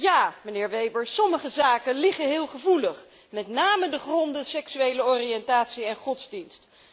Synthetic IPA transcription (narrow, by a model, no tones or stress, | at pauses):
jaːmənɪːɹʋejbəɹsɔməχəzaːkənlɪχəɦɪːlˠχəvuləχ | mɛtnaːmədəχrɔndəsɛksyejləɔriɛntaːtsiɛnχɔtzdinst